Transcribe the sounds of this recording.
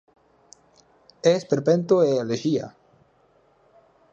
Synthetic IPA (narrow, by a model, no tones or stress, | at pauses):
espeɾpent̪oealeʒia̰